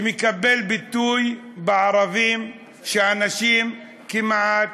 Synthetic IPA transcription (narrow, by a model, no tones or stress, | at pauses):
mikabːelbɪt̪ːuːjbɪʕɑɾˤɑviːm | ʃeʔanaʃiːm | kɪmʕat̪